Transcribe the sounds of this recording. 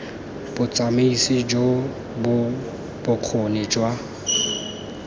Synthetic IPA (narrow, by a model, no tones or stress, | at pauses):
b̥ʊt͡sʼameisɪd͡ʒo | bʊ | b̥ʊq͡χʰʊnɪd͡ʒwa